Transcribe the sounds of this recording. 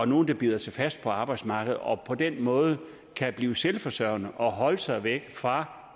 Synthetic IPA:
ɒno̝ːn̩d̥ɑ̈b̥iːð̞̰ˠɐsɑ̈ɪfæsd̥̚pʰɒ̽ɑ̈ːb̥ɑ̈ɪd̥smɑ̈ːɡ̥ð̞̩ˠɒ̽pʰɒ̽d̥enmɔ̽ːð̞̩ˠə | kʰæb̥liːʊselfɒ̽sœɐʊnəʔɒ̽ɦɒ̽ləsɑ̈ɪʋeɡ̥fʁɑ̈

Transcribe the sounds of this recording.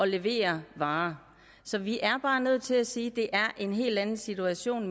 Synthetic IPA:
ɒ̽le̝ʋe̝̰ːɐʋɑ̈ː | sɒ̽ʋiʔæɐb̥ɑ̈ːnøð̞̰ˠt͡sʰe̝læsiːd̥e̝ʔæɐʔe̝nɦe̝̰ːld̥ænn̩sit͡sʰuæɕo̝̰ːn

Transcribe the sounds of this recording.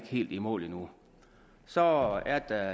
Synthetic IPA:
ɡ̥he̝̰ːld̥imɔ̰ːlinu | sɒ̽æɐd̥æ

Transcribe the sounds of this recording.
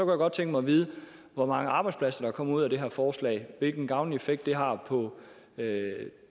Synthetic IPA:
sɒ̽kʰujaɡ̥ɒ̽d̥̚t͡sʰeŋɡ̥əmɑ̈ɪʋiːð̞ˠə | ʋɒmɑ̈ŋəɑ̈ːb̥ɑ̈ɪdspʰlæsɐd̥ɑ̈kʰɒ̽m̰uð̞̰ˠæd̥e̝ɦæɐfɒːslɛ̰ɪʋe̝lɡ̥n̩ɡ̥ɑ̈ʊnefeɡ̥̚d̥ːe̝ɦɑ̈pʰɒ̽ | ø

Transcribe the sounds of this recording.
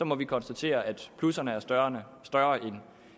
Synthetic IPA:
sɒ̽mɒ̽ʋikʰɒ̽nsd̥æt͡sʰe̝̰ːɐʔæd̥pʰlusɐnəæɐ̥ | sd̥ɶːɐʔen

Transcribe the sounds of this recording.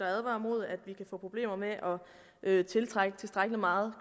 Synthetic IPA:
ɑæðˠʋɑ̰̈mo̝ð̞̰ˠæd̥ʋikʰæfɔ̰ːpʰʁo̝b̥le̝̰ːmɐmeʔɒ̽ | ʔøt͡sʰe̝lt͡sʰʁaɡ̥ət͡sʰe̝lsd̥ʁaɡ̥əlimɑ̈ːð̞̩ˠ

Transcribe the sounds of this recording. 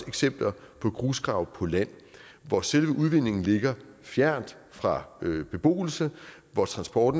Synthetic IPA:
eɡ̥sem̰b̥lɐ | pʰɒ̽ɡ̥ʁuːsɡ̥ʁɑ̈ʊpʰɒ̽læn̰ | ʋɒselʋəʔuðˠʋe̝̰ne̝ŋn̩le̝ɡ̥ɐ | fjæɐ̰nd̥ | fʁɑ̈b̥e̝b̥o̝̰ːl̩sə | ʋɒt͡sʰʁɑ̈nsb̥ɒːd̥n̩

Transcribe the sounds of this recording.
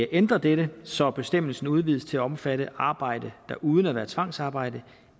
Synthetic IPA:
æʔend̥ʁɐd̥eɾəsɒ̽b̥e̝sd̥em̰l̩sn̩uð̞ˠʋiðˠst͡sʰe̝læɒ̽mfæɾəʔɑ̈ːb̥ɑ̈ɪ̰d̥əd̥ɑ̈ʔuːð̞ˠn̩æʋæːɐt͡sʰʋɑ̈ŋ̰sɑ̈ːb̥ɑ̈ɪ̰d̥ə

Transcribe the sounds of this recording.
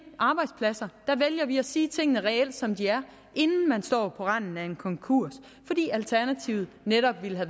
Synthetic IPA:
ʔɑ̈ːb̥ɑ̈ɪd̥spʰlæsɐd̥æʋeljɐʋiæsiːt͡sʰe̝ŋ̰nəʁɛel̰d̥sɒ̽md̥iæɐ | ʔe̝nn̩mænsd̥ɒ̰ːpʰɒ̽ʁɑn̰n̩æe̝nkʰɒ̽ŋkʰuɐ̰s | fɒ̽d̥ḭːælt͡sʰæɐnæt͡sʰiʊð̩ˠneɾ̥ɒ̽b̥ʋiləɦæ

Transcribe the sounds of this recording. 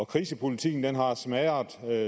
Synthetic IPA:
ɒ̽kʰʁiːsəpʰo̝lit͡sʰḭɡn̩d̥enɦɑ̈smæɪɐ

